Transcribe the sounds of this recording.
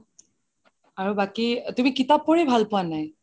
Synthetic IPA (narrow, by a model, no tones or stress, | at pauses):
aɹubakitumikitapːɔɹebʱalpʊwanaj